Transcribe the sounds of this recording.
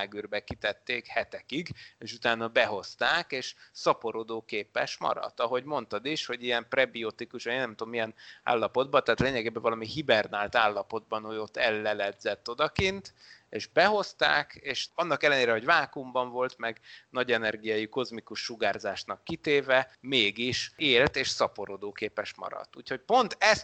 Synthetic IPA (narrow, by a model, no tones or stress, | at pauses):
ɡyrbɛkit̪ɛt̪ːeːkhɛt̪ɛkiɡeːʃut̪aːnːɒbɛɦo̞st̪aːkeːʃsɒpo̞ɾod̪oːkeːpɛʃmɒ̰ɾɒ̰t̪ːɒɦo̞ɟmo̞nt̪ɒd̪iʃho̞ɟiɛmprɛbiot̪ikuʃeːnːɛmt̪omːijɛna̰ːlːɒpo̞d̪̚bɒt̪aːt̪leːɲɛɡeːbɛɱvɒlɒmihibɛrnaːlt̪aːlːɒpo̞d̪̚bɒnho̞ɟo̞t̪ːɛlːɛlɛd̪zɛt̪ːo̞d̪ɒkint̪eːʒbɛɦo̞st̪a̰ːkeːʃɒnːɒkɛlːɛneːɾɛɦo̞ɟvaːkumbɒɱvo̞lt̪mɛɡnɒɟɛnɛrɡijaːjiko̞zmikuʃːuɡaːrzaːʃnɒkːit̪eːvɛmeːɡiʃeːlt̪eːʃsɒpo̞ɾod̪oːkeːpɛʃmɒ̰ɾɒ̰t̪ːuːcho̞c̚po̞nt̪ɛs